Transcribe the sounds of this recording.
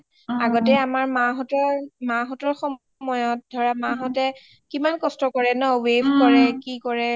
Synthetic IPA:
aɡɔtɛamaɹmaɦɔtɔmaɦɔtɔɹxɔm | mɔjɔt̚dʱɔɹamaɦɔtɛ | kimankɔstɔkɔɹɛnɔwebʱkɔɹɛkikɔɹɛ

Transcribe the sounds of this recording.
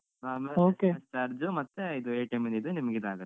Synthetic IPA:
aːmɐoːket͡ʃɐɾd͡ʒumɐt̪ːeid̪ueːʈɐjmɐnid̪unimɐɡid̪aːɡɐt̪ː

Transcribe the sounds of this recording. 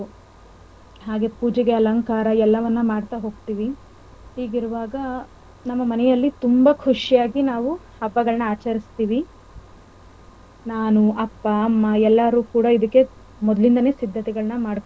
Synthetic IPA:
ɦaːɡe̞puːd͡ʒɛɡeɐlɐŋkaːɾɐɛlːɐʋɐnːɐmaːɖt̪aɦo̞ːɡt̪iːʋi | ɦiːɡiɾuʋaːɡɐ | nɐmːɐmɐnɛjɐlːit̪umbɐkʰuʂijaːɡinaːʋuhɐbːɐɡɐɭɐnɐaːt͡ʃɐɾist̪iːʋi | naːnuɐpːaːmːɐɛlːɐɾuːkuːɽɐid̪ɐkːe̞ | mɔd̪lind̪ɐne̞ːsid̪ʱːɐt̪ɛɡɐɭɐnɐmaːɽk̪

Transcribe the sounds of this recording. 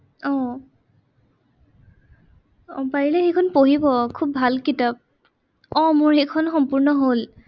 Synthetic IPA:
ɔ | ɔpaɹilɛxekʰɔnpoɦibɔkʰub̚bʱalkitap̚ | ɔmoɹxekʰɔnxɔmpuɹnɔɦol

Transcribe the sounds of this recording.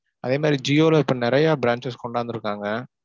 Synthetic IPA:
ʔɐðeːmaːd̪ɾid͡ʒiːoːlɐɪpːɐnɪɾɐjaːbɪɾaːnt͡ʃɐskɔɳɖaːɾɯnd̪ɯɾɯkːaːŋɡɐ

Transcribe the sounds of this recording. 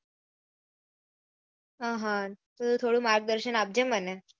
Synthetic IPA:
aɦãt̪əut̪ʰoɽuːmaɾɡ̚d̪əɾɕənab̚d͡ʑeməne

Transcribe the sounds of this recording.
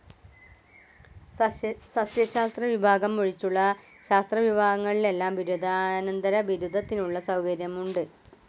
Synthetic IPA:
sɐsjɐɕaːst̪rɐʋibʱaːɡɐmːuɻit͡ɕːuɭːɐ | ɕaːst̪rɐʋibʱaːɡɐŋːɐɭile̞lːaːmʋiɾud̪ʱanɐnd̪ɐɾɐʋiɾud̪ʱɐt̪ːinuɭːɐsɐwkɐɾjɐmuɳɖɨ

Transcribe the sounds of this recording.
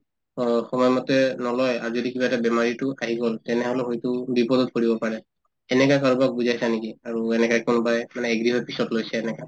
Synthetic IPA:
ɔxɔmɔjmɔtɛnɔlɔja̰ɹuzodikibatɛbɛmaɹitʊaɦiɡɔltɛnɛɦɔlɛɦojtʊbipɔdɔt̚koɹibɔpaɹɛ | ɛnɛkakaɹubak̚buzajsanekiaɹuɛnɛkakunʊbajmanɛːɡɹiɦɔjpi̥sɔtlojsɛːnɛka

